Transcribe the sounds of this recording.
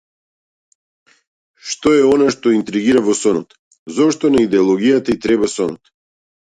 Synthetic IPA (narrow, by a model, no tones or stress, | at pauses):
ʃt̪ɔɛɔnaʃt̪ɔint̪ɾiɡiɾavɔsɔnɔt̪ | zɔʃt̪ɔnaid̪ɛɔlˠɔɡijat̪ait̪ɾɛbasɔnɔt̪